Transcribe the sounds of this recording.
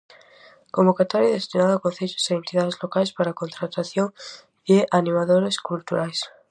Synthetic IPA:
kombokat̪oɾjaðest̪inaðakon̟θeʎosaent̪iðaðezlokajspaɾakont̪ɾat̪aθjoŋ | deʔanimaðoɾeskult̪uɾajs

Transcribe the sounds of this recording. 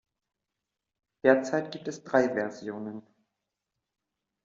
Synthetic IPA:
d̥eːɐt͡saɪtɡ̥iːp̚tɛsd̥ʁaɪvɛɐzjoːnən

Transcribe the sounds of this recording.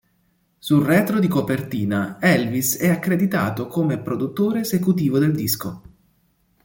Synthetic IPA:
sulrɛːt̪ɾod̪ikopert̪iːnaɛlvisɛakːɾed̪it̪a̰ːt̪okomepɾod̪ut̪ːoːɾeːsekut̪iːvod̪eld̪isko

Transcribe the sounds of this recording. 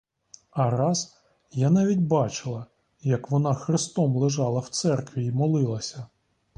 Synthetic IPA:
ɐɾɑz | janɑʋʲitʲbɑt͡ʃɪlˠɐ | jɐkʋɔnɑxɾɪst̪ɔmlˠɪʒɑlˠɐwt̪sɛrkʋʲiimɔlˠɪlˠɐsʲɐ

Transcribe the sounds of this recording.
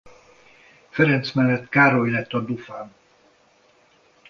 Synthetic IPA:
fɛɾɛnt̪smɛlːɛt̪kaːɾojlɛt̪ːɒd̪ufaːn

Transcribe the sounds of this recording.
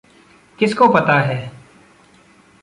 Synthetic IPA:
kɪskoːpət̪aːɦɛː

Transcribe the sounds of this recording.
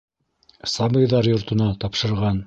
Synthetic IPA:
sɑbɤ̆jðɑɾjŏɾt̪ŏnɑt̪ɑpʃɤ̆ɾʁɑn

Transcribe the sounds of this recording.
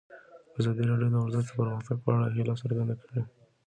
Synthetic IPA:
azɑd̪iɾɑɖjod̪əʊɾzad͡ʒd̪əpəɾməxt̪aɡ̚pəaɽaɦelɑsəɾɡand̪akəɽe

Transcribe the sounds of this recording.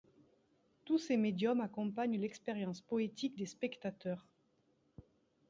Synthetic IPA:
t̪usemed̪jɔmakɔ̃paɲlɛkspeʁjɑ̃spɔet̪ikd̪espɛkt̪at̪œʁ

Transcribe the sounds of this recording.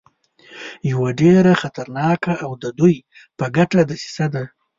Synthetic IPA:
jawaɖeɾaxat̪aɾnɑkaːwd̪əd̪uj | pəɡaʈad̪əsi̥sad̪a

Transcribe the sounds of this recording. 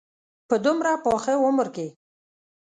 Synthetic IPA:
pəd̪umɾapoxewʊmʊɾke

